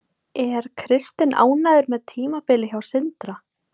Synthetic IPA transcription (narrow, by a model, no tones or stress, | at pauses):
ɛɾ̥kʰɾɪst̪ɪna̰ːwnaðʏɾmɛðt̪ʰiːmapɪːlɪçawsɪnt̪ɾa